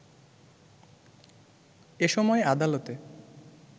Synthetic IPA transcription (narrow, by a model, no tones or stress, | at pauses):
eʃɔmɔead̪alot̪e